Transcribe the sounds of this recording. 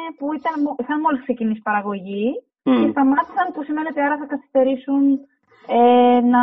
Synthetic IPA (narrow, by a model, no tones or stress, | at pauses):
puit̪ɐnmoixɐnmo̞liskse̞cinisi̥pɐɾɐɣo̞ʝi | ce̞st̪ɐmɐt̪i̥sɐnpusime̞neo̞t̪iɐɾɐθɐkɐθist̪e̞ɾisun | enɐ